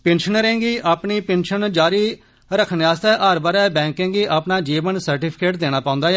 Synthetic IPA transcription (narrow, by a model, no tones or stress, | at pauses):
penʃənɾẽːŋɡiːʔaːpɳiːpẽnʃənd͡ʒaːɾiː | ɾəkʰənaːst̪ɛːʔəɾbaːɾɛːbɛ̃ːŋkẽːŋɡiːʔapnaːd͡ʒiːʋənsəɾʈiːpʰɪ̥keːʈ̚d̪eːɽ̃aːpãːʊ̃nd̪aːɛ